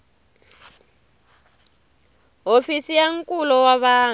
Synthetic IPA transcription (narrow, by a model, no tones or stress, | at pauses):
ɦofisijaŋ̩kʼulɔwaβaː